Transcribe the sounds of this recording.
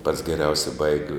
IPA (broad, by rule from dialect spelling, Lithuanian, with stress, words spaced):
pɐts ɡʲɛˈrʲɛʊsʲɛ ˈbɐɪɡʲɪ